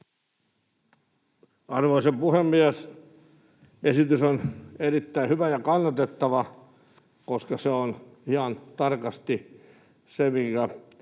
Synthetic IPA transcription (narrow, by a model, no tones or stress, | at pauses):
ɑrʋoisempuhemːiæs | esit̪ysonerit̪ːæihyʋæjɑkɑnːɑt̪et̪ːɑʋɑ | koskɑseoniɑnt̪ɑrkɑst̪i | semiŋkæ